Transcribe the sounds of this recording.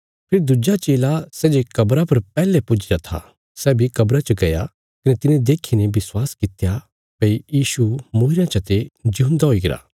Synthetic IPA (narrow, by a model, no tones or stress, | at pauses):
pʰeːɾd̪ʊd͡ʒat͡ʃeːlasɛːd͡ʒekɐbɾapɐɾpɛːlepʊd͡ʒd͡ʒat̪ʰa̰ | sɛːbʱikɐbɾat͡ʃɐɡɐja̰ | kɐnɛt̪ɪnẽd̪eːkʰinẽbɪswaːskɪt̪ja | pɐijiːʃumoɦɪɾjãt͡ʃɐt̪ed͡ʒʊɦʊ̃nd̪aɦoːiɡɪɾa̰ː